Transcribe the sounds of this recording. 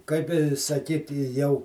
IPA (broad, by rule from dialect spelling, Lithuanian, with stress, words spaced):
kɐɪp ɪ sɐˈkʲiːtʲɪ jɛʊ